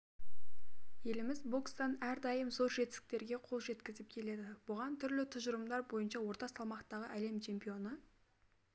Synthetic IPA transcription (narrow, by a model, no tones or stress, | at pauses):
je̞lɪmɪzbo̞kst̪ɑnæɾd̪ɑjəmzo̞ɾʒe̞t̪ɪst̪ɪk̚t̪e̞ɾɡʲe̞qʰo̞lˠʒe̞t̪kʲɪzɪp̚kʲʰe̞le̞d̪ɪb̥ʊʁɑnt̪ʰʏɾlɪt̪ʰʊʒəɾəmd̪ɑɾbo̞jənʃɑwo̞ɾt̪ɑsɑlˠmɑqt̪ɑʁəʔæle̞mt͡ʃʰe̞mpijo̞nə